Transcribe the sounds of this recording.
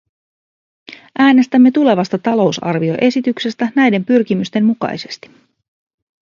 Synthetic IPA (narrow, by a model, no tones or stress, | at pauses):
ʔæːne̞st̪æmːe̞t̪ule̞ʋɑst̪ɑt̪ɑlo̞wsɑ̰rʋio̞̰ʔe̞sit̪ykse̞st̪ænæjde̞mpyrk̟imyst̪e̞mmukɑ̰jse̞̥st̪i̥